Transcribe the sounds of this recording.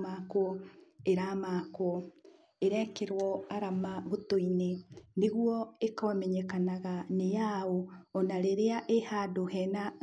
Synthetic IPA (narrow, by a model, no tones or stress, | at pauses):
makwɔeɾamaːkwɔ | eɾɛkeɾwɔaɾamaβotoineneɣwɔekɔmɛɲɛkanaɣanejaoːnaɾeɾeaʔehadohɛna